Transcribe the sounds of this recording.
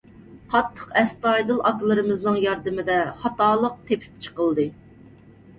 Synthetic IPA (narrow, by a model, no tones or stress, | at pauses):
qʰɑt̪ʰːə̥qɛst̪ɑjd̪ɨlˠʔɑklˠɨɾɨmɨznɨŋjɑɾd̪ɨmɪd̪ɛχɑt̪ɑːlˠəq̚t̪ʰepʰy̥p̚t͡ʃʰə̥qəlˠd̪ɨ